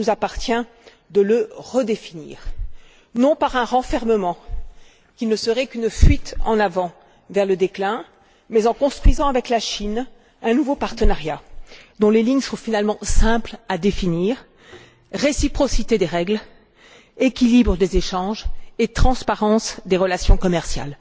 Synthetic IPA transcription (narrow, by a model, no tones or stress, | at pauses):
nuzapaʁt̪jɛ̃ | d̪ələʁəd̪efinḭːʁ | nɔ̃paʁɛ̃ʁɑ̃fɛʁməmɑ̃ | kʲilnəsəʁɛkynfɥit̪ɑ̃navɑ̃ | vɛʁləd̪eklɛ̃ | mɛzɑ̃kɔ̃st̪χɥizɑ̃avɛklaʃin | ɛ̃nuvopaʁt̪ənaʁjad̪ɔ̃leliɲsɔ̃finalmɑ̃sɛ̃plad̪efiniːʁ | ʁesipχɔsit̪ed̪eʁɛɡl | ekʲilibʁəd̪ezeʃɑ̃ʒet̪χɑ̃spaʁɑ̃sd̪eʁəlasjɔ̃kɔmɛʁsja̰l